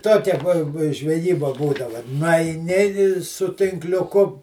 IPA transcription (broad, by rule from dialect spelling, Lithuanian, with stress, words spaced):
ˈtoːkʲɛ buɔ bʊ ʒʲʋʲɛˈjiːbɐ ˈbuːdɐʋɐ nʊɐɪˈnʲɪ ɪ sʊ tʲɪŋklʲʊˈkʊ